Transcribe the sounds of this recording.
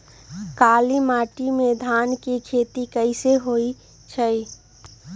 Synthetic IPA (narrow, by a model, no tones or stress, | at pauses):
kaːlimaːʈimed̪ʱaːnkikʰeːt̪ikəɪseɦoi | t͡ʃʰəi